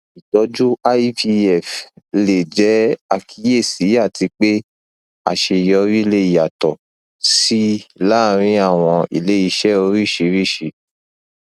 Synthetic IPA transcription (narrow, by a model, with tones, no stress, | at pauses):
i˨tɔ˧˦d͡ʒu˦a˦i˦pi˧ɛ˨fle˨d͡ʒɛ˨˦a˧˨kʰi˨˦je˦˨si˨˦a˦˨ti˧k͡pe˦ | a̰˦˨ʃe˧˨jɔ˨˧ɾi˦le˦i˨ja˨tɔ˨ | si˦la˦˨ɾ̃ĩ˧˦a˦˨w̃ɔ̃˧ḭ˨le˨˦i˧ʃɛ˦o˧ɾi˦˨ʃe˨˧˦ɾi˦˨ʃe˨